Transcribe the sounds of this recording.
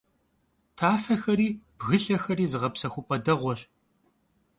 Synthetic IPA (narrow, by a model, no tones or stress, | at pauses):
tʰaːfɐxɐɾiːb̥ɣɨɬɐxɐɾiːzɨʁɐpsɐxʷʊpʼɐdɐʁʷɔɕʼ